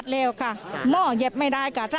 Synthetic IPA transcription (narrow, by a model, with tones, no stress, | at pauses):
t̪̚lɛː˧˩wkʰa˧˩mɔː˧˩je˧˩p̚ma˧˥˩jda˧˩˨jkaː˧˩sa˧